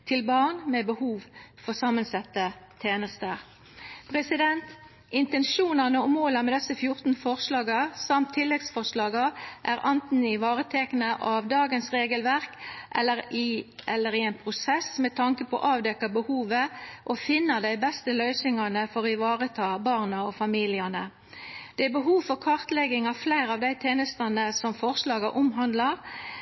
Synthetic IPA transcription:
t̪ʰɪlbɑɳmɛbəhuːʋfɔʁsɑmːənsɛt̪ːət̪ʰeːnəst̪əʁ | pʰɾɛsɪd̪ɛnt̪ | ɪnt̪ɛnʃuːnɑnəɔmoːlɑmɛd̪ɛsəfjʊʁt̪n̩fɔʁslɑːɡəsɑmt̪ʰːɪlːɛɡsfɔʁʂlɑːɡəʔæːɾʔɑnt̪n̩ɪʋɑːʁət̪ʰɛknəʔɑʋd̪ɑːɡənsʁeːɡəlʋæʁkʔɛlːəɾɪʔɛlːəɾɪɛnpʰʁʊsɛsmɛt̪ʰɑŋkəpʰɔ̰ʔɑːʋd̪ɛkːɑbəhuːʋəʔɔfɪnːɑd̪æɪbɛst̪əlœʏsɪŋɑnəfɔʁɪʋɑːʁət̪ʰɑːbɑːʁnɑɔfɑmiːlɪɑnə | dd̪̥ɛæbəɦuːʋfɔʁkʰɑʁt̪lɛɡɪŋɑʋflæɪʁɑʋd̪æɪt̪ʰeːnəst̪ɑnəsɔmfɔʁslɑːɡɑʔʊmɦɑnd̪lɑʁ

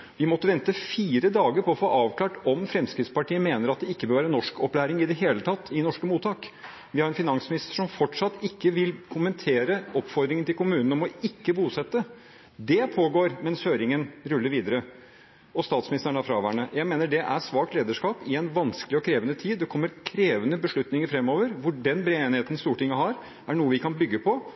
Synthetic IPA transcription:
ʋɪmɔt̪ːəʋɛnt̪əfiːɾəd̪ɑːɡəɾpʰɔɔfoːʔɑːʋkʰlɑːʈɔmfɾɛmskɾɪt̪spɑʈʰiːəmeːnəɾɑt̪̚d̪ɛɪkːəbøːɾʋæːɾənːɔʂkɔplæːɾɪŋɪd̪ɛɦeːlət̪ʰɑt̪ːɪnɔʂkəmuːt̪ʰɑːk | ʋɪhɑɾɛnfɪnɑŋsmɪnɪst̪əʂɔmfɔʈʂɑt̪ːɪkːəʋɪlkʰʊmɛnt̪ʰeːɾəɔpfɔɾd̪ɾɪŋənt̪ɪlkʊmʉːnn̩ɔmɔɪkːəbuːsɛt̪ːə | d̪ɛpʰoːɡoːɾmɛnshøːɾɪŋənɾʉlːəɾʋiːd̪əɾə | ɔst̪ɑːt̪smɪnɪst̪əɳæfɾɑʋæːɳəjæɪmeːnəɖɛʔæ̰ʂʋɑːk̚t̪leːd̪əʂkɑːpɪɛnʋɑnskəlɪɔkʰɾeːʋənət̪ʰiːd̪ːɛkʰɔmːəɾkʰɾeːʋənəbəʂɭʉt̪nɪŋəɾfɾɛmːoːʋəɾʋʊɖɛnbɾeːeːnɪheːt̪ən̩st̪uːʈʰɪŋːəɦɑɾ | æɳuːəʋɪkʰɑnbʏɡːəpʰɔ

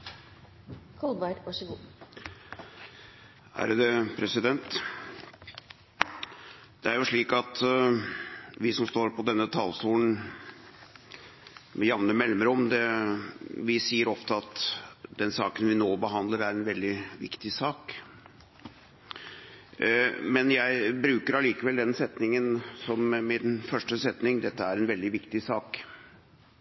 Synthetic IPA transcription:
kʰɔld̪ʋɑɾʋɑʂɔɡuː | hæ̰ɾəd̪əpʰɾɛsɪd̪ɛnt̪ | d̪̥ɛæɾjʊʂɭiːkɑt̪ | ʋɪsɔmst̪oːɾpʰɔd̪ɛnːət̪ʰɑlsuːln̩ | mɛjɑʋnəmɛlməɾɔmd̪ɛ | ʋɪsiːəɾɔft̪əɑt̪d̪ɛnsɑːkənʋɪnoːbəɦɑnd̪ləɾæɾɛnʋɛld̪ɪʋɪ̰kt̪ɪsɑːk | mɛnjæɪbɾʉːkəɾɑliːkəʋɛld̪ɛnsɛt̪nɪŋənsɔmmɪnfœʂʈəsɛt̪nɪŋd̪ɛt̪ːəæɾɛnʋɛld̪ɪʋɪkt̪ɪsɑːk

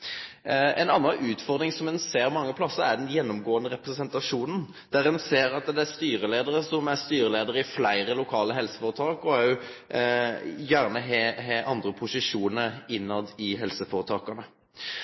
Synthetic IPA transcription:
ɛ̰nɑnːɑnʔʉːt̪fɔʁd̪ɾɪŋsɔmɛnseːʁmɑŋːəpʰlɑsːəɾæʁd̪ɛnjɛnːɔmɡoːənəɾɛpʁɛsɛnt̪ɑʂuːnən | d̪̥æɾɛnseːɾɑt̪d̪ɛæst̪yːɾəleːd̪əɾəsɔmæɾst̪yːɾəleːd̪əɾəɪflæɪɾəlʊkʰɑːləɦɛlsə̥fɔːɾət̪ʰɑːkɔæɾjʊ | jæʁnəɦeɦeːʔɑnd̪ɾəpʰʊsɪʂuːnəɾɪnːɑd̪ɪɦɛlsəfoɔɾət̪ʰɑːkɑnə

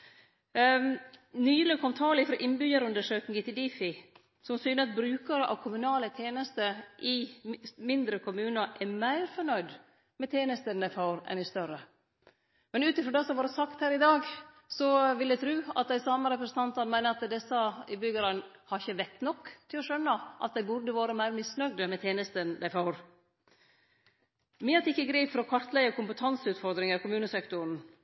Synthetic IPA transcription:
nyːløkʰɔmt̪ʰɑːlɪfɾɔːʔɪnbʏjəɾʉnd̪əʂøːknɪŋɡət̪ɪld̪ifɪ | sɔmsyːnəɑt̪̚bɾʉːkɑɾəʔɑ̰ʋkʰʊmʉnɑːlət̪ʰjeːnəst̪əʔɪmɪnd̪ɾəkʰʊmʉːnəɾʔɛmæɪɾfɔɳœʏd̪ | mɛt̪ʰeːnəst̪ənɛfɑʊɾɛ̰nɪst̪œɾə | mɛnʉːt̪ɪfɾɔɖ̪ɛsɔmʋɑːɾəsɑkt̪hæːɾɪd̪ɑːɡ | sɔʋɪld̪æɪt̪ʰɾʉːɑt̪̚d̪æɪsɑːməɾɛpɾəsən̩t̪ɑnt̪ɑnmæɪnəɾɑt̪d̪ɛsːəɪbʏɡəɾɑnhɑɾɪçːəʋɛt̪ːnɔkːt̪ʰɪlɔʃœnːəʔɑ̰t̪̚d̪æɪbʊɖ̪əʋoːɾəmæɪɾmɪsnœɡ̚d̪əmɛt̪ʰeːnəst̪ənd̪æɪfɑːɾ | mɪːɑt̪ɪkːəɡɾiːpfɔɾɔkʰɑɾt̪læəkʊmpət̪ʰɑnsəʉːt̪fɔɾd̪ɾɪŋəɾkʊmʉːnəsɛkt̪ʊɾn̩

